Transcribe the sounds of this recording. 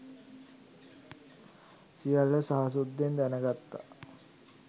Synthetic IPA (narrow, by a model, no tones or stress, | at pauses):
sijaləsaɦas̬ud̪ːend̪ænəɡat̪ːa̰